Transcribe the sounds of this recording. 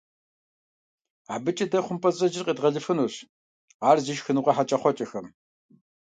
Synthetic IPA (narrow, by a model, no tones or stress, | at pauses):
aːbɨt͡ʃʼɐdɐχʷʊmpʰʼɐzʼɐʒɪrqʼiːdʁɐɮɨfɨnuɕ | aːrziʃxɨnuːʁɐħat͡ʃʼɐχʷɔt͡ʃʼɐxɐm